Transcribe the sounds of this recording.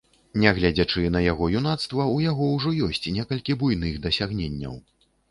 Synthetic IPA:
nʲɛɣlʲad͡zʲat͡ʂɨnɐjaɣɔjunat̪st̪vɐujaɣɔwʐɔjɔsʲt͡sʲnʲɛkɐlʲkʲibujnɨɣd̪ɐsʲaɣnʲenʲːɐ̰w

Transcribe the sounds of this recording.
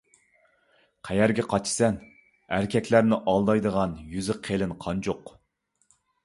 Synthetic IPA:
qʰæjæɾɡʲɛqʰɑt͡ʃʰsɛn | æɾkʲʰɛkʲʰlæɾnɪʔɑlˠd̪ɑjd̪əʁɑnjyzɪqʰelɪnqʰɑnt͡ʃʰoq

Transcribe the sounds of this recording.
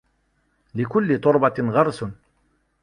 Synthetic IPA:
likulːit̪oɾbat̪ʲinʁɑɾsun

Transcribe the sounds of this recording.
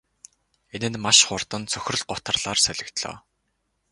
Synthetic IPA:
enɘ̆nmaʃχʊrt̪ə̆nt͡sʰœxʲɪ̆rɮɢʊt̪ə̆rɮ̥aːrsœɮʲɪ̆kt̪ɮɔ̰ː

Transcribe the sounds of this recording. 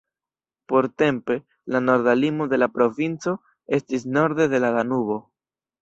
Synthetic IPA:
po̞ɾte̞mpe̞ | lano̞ɾd̪alimod̪e̞lapɾo̞vint͡so̞ | e̞stis̬no̞ɾd̪e̞de̞lalanuβo̞

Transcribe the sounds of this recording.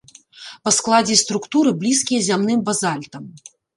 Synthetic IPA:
pɐsklˠad͡zʲɛst̪ɾukt̪uɾɨblʲiskʲijɐzʲamnɨmbazalʲt̪ɐm

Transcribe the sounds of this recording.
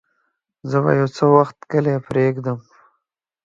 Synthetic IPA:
zəba̰jawt͡səwaxt̪kəlepɾeɡd̪əm

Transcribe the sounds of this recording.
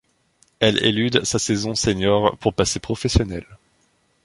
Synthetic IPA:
ɛlḛlyd̪sasɛzɔ̃seɲɔʁpuʁpasepχɔfɛsjɔnɛl

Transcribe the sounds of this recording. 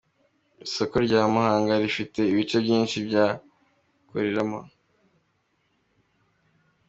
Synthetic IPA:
iso̞ko̞ɾɟaːmahaːŋɡaɾifite̞iβit͡ʃo̞bɟiːnʃibɟaː | ko̰ɾiɾama̰

